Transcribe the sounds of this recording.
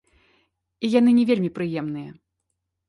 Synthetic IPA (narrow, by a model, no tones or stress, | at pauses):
ijanɨnʲɛvʲelʲmʲipɾɨjɛmnɨjɐ